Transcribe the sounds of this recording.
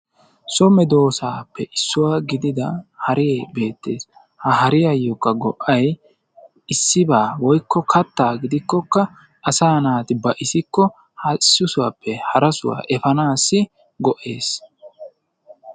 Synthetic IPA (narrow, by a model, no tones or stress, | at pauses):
sɔmɛd̪o̞ːsaːpːɛʔɪsːʊwaːɡɪd̪ɪd̪ɐhɐɾɪjɛbe̞ːt̪ːe̞ːs | hɐɦɐɾɪjɐjːɔkːɐɡɔʔɐj | ɪsːɪbaːwɔjkʰːɔkɐt̪ːaːɡɪd̪ɪkːɔkːɐ | ʔɐsaːnaːt̪ɪbɐʔɪsɪkːɔ | hɐsːʊsʊwa̰pːɛhɐɾɐsʊ̰wa̰ːʔɛfɐnaːsːɪ | ɡɔʔe̞̰ːs